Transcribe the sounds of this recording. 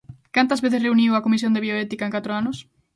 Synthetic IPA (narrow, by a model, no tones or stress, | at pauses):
kant̪ɐzβeθɪsreuniwɐkomis̬jõnd̪eβjoɛt̪ikaɐeŋkat̪ɾoanʊs